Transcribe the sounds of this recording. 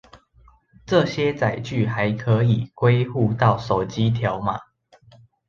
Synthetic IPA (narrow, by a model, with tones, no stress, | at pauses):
ʈ͡ʂɤ˥˨ɕjɛ˥t͡sa˨˩ɪt͡ɕy˥˨xa˨˦ɪkʰɤ˨˦i˨˩kwe˥ɪxu˥˨t̪ɑ˥˨ʊso˨˩ʊt͡ɕi˦t̪ʰja˨˦ʊma˨